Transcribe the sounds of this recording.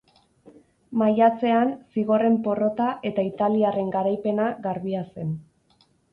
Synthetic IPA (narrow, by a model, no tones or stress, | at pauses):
majat͡se̞ansiɣo̞re̞mpo̞ro̞t̪aʔe̞t̪ait̪aliare̞ŋɡaɾajpe̞naɣaɾβiase̞n